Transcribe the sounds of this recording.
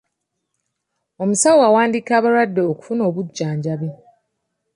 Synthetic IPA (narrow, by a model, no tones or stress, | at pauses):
o̞musawoawaːndiːkaːβaɾwadːe̞oku̥funo̞ːβuɟːaːɲɟaβe